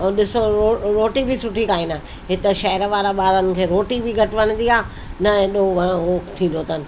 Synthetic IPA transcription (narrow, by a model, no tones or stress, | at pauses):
ɗɪsooɾoːʈibʱɪsʊʈʰikaːĩːnanɪ̆ | ɦɪt̪əʃɐɦɛɾʋaːɾaɓaːɾənɪ̆kʰeːɾoːʈibʱiɡʱɐʈʰʋɐñə̃nd̪iaː | nɐɛ̃ɗoʋɐ̃ɦoːkʰt̪ʰĩːnd̪oːt̪ənɪ̆